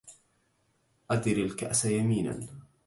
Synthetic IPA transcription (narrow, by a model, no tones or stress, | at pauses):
ʔad̪ɪɾalkaʔsajamiːna̰n